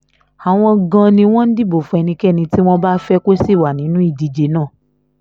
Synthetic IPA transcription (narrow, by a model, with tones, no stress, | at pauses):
a˨w̃ɔ̃˧ɡã˧nĩ˧w̃ɔ̃˦n̩˦di˦bo˨fũ˧ɛ˧nĩ˧kɛ˦˨nĩ˧ti˦w̃ɔ̃˦ba˦fɛ˦ko˦si˦˨wa˨nĩ˨˦nũ˦i˦˨di˧d͡ʒe˨˦nã˦˨